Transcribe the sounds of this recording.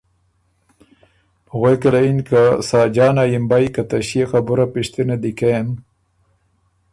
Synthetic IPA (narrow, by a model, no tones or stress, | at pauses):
ɣwejkalainkasɑːd͡ʒɑːnajimbajkat̪aɕiexabuɾapiɕt̪inad̪ikem